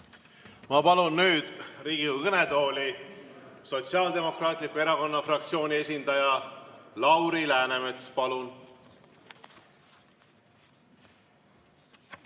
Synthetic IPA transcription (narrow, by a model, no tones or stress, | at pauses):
mɑpɑlunːyːd̪̥riːɡ̥ikɤne̞d̪o̞ːli | so̞t̪siɑːld̪e̞mo̞krɑːt̪ˑlikːˑue̞ɾɑko̞nːɑfrɑk̚t̪sio̞ːnʲie̞sʲind̪̥ɑjɑlɑwɾilæːnemet̪spɑlun